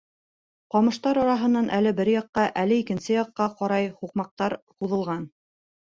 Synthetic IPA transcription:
qɒmɤ̆ʃt̪ɑɾɒɾɑɦɤ̆nːɑnʔælɘbɘɾjɒqːɑʔælɘikɘ̆nsɘjɒqːɑqɒɾɑjhuqmɑq̚t̪ɑɾquðɤ̆lˠʁɑn

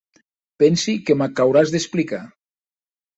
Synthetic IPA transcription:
pɛnsikemakawɾazðesplika

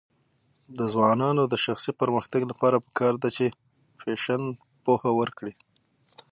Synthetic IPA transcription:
d̪əzwɑnɑnod̪əʃaxsipəɾməxt̪aɡlapɑɾapə̥kɑɾd̪at͡ʃe | feʃan | pohawəɾkɽi

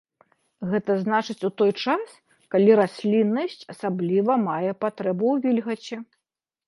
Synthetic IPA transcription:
ɣɛt̪ɐznat͡ʂɨt͡sʲut̪ɔjt͡ʂas | kalʲiɾasʲlʲinːɐsʲt͡sʲɐsablʲivɐmajɛpat̪ɾɛbuwvʲilʲɣɐt͡sʲɛ

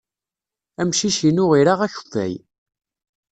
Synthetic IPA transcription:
æmʃiʃinʊʁiɾaʁæçðæ̰j

